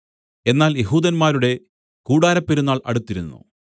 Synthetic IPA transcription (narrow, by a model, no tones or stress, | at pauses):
e̞nːaːlje̞ɦuːd̪ɐnmaːɾuɽe̞ | kuːɽaːɾɐpːeɾunːaːɭʔɐ̰ɽut̪ːiɾunːṵ